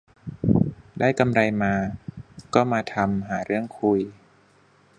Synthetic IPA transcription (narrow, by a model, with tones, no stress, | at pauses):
daː˥˩jka˧mɾa˧jmaː˧kɔː˥˩maː˧t̪ʰa˧mɦaː˩˦ɾɯ˥˩əŋkʰu˧j